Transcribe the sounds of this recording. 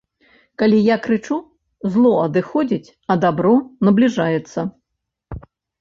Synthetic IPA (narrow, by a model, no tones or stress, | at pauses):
kalʲijakɾɨt͡ʂu | zlˠɔɐd̪ɨxɔd͡zʲit͡sʲ | ɐd̪abɾɔnɐblʲiʐajɛt̪sːɐ